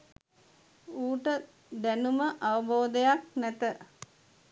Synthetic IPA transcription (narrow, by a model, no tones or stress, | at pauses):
uːʈə | d̪ænuməʔaʋɐboːd̪ejak̚næt̪ə